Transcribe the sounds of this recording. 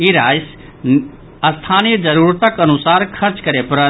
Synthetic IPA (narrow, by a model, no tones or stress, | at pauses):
iɾaːs | ɐst̪ʰaːnijd͡ʒəɾuːɾt̪əkɐnusaːɾkʰɐɾt͡ʃkɐɾepɾə